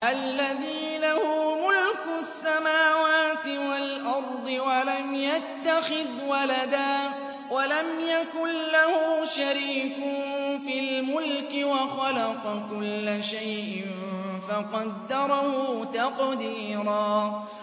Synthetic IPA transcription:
ʔalːaðiːnahʊmʊlkʊsːamaːwaːt̪ɪwalʔɑɾˤd̪ˤɨwalamjat̪ːaxɪðwalad̪aː | walamjakʊnlahʊʃaɾiːkʊfilmʊlkɪwɑxɑlɑqɑkʊlːaʃajʔɪn | faqɑd̪ːɑɾˤɑhʊt̪ɑqd̪iːɾaː

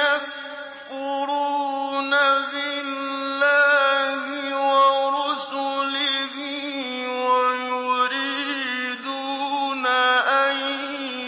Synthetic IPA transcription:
ak | fʊɾunabɪlːaɦiwaɾɔsulɪɦi | wajuɾi | d̪unaʔaj

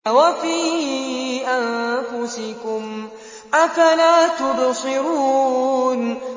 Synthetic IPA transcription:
wafiː | ʔanfʊsɪkʊm | ʔafalaːt̪ʊbsˤɪɾuːn

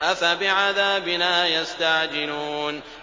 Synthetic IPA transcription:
ʔafabɪʕaðaːbɪnaːjast̪aʕd͡ʒɪluːn

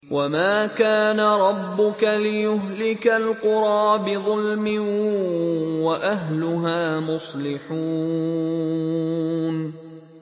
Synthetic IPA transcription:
wʔamaːkaːnaɾˤɑbːʊkalɪjʊɦlɪkalqʊɾˤɑːbɪðˤʊlmɪ | waʔaɦlʊɦaːmʊsˤlɪħuː | n

